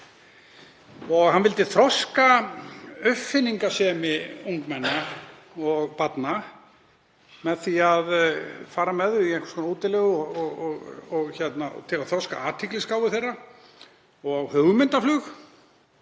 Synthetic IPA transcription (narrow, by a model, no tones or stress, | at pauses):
ɔɣhanvɪlt̪ɪθɾɔska | œfːɪnːiŋkasɛmɪuŋkmɛnːa | ɔɣpat̪na | mɛðθiaðfaːɾamɛðʏiɛŋkskɔːnauːt̪ɪlɛɣɔɔɣɣɔɣçɛt̪na̰t̪ʰɪlaðθɾɔska̰aːt̪ʰɪklɪskaːwʏθejrːa | ɔɣhœɣmɪnt̪aflʏx